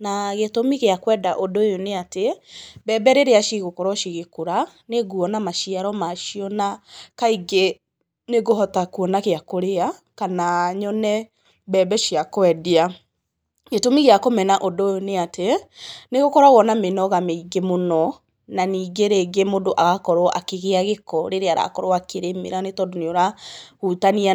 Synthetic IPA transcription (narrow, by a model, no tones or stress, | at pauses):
naɣetomiɣeakwɛdaʔodojoneatebɛbɛɾeɾeaʃiɣokɔɾɔʃiɣekoɾa | neɡuɔnamaʃiaɾɔmaʃiɔnakaiɡe | neɣoɦɔtakuɔnakeakoɾeakanaɲɔnɛ | bɛbɛʃiakwɛdia | ɡetomiɣeakomɛnaʔodojoneatʰeneɣokɔɾaɣɔnamenɔɣameiɡemonɔ | naniːɡeɾeɡemodoʔaɣakɔɾoʔakeɣeaɣekɔɾeɾeaɾa̰kɔɾoakeɾemḛɾanetɔdoneoɾahutania